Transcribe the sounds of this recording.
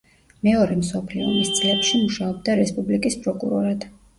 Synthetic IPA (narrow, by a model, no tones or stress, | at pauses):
mɛɔɾɛmsɔpʰliɔ̰mist̪sʼlɛpʃimuʃaɔb̚d̪aɾɛspʼublikʼispʼɾɔkʼṵɾɔɾad̪̥